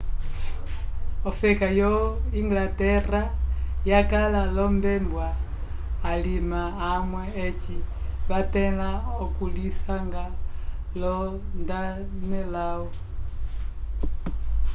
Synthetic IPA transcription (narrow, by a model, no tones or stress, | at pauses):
ɔfɛkajɔiŋɡlatɛrajakalalɔmbɛmbwaː | limaːmwɛːt͡ʃiβatɛlaɔkulisaŋɡa | lɔndanɛlaɔ